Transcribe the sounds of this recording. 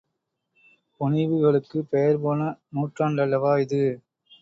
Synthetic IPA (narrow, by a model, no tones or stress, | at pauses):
pɔnɪʋɯɣɐɭɯkːɯpejɐɾpoːnɐnuːʈraːɳɖɐlːɐʋaːɪðɯ